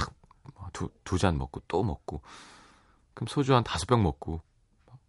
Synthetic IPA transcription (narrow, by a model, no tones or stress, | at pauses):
ak | mʌtutud͡ʑanmʌk̚k͈ot͈omʌk̚k͈o | kɯmsʰod͡ʑuɦantasʰu̥p͈jʌŋmʌk̚k͈o | ma